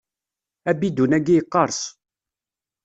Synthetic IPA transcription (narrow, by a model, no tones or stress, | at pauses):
æbid̪unæɡijqːɑɾˤs